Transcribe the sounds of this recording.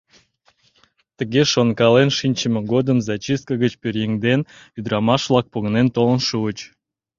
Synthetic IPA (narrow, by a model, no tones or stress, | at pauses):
t̪əɣeʃonkɑlenʃinʲt͡ɕəmə̆ɡod̪əmzɑt͡ɕis̚kəɣət͡ɕpʲøɾjeŋd̪en | yd̪ɾɑmɑʃʋlˠɑk̚poɣənent̪olə̆nʃuət͡ɕ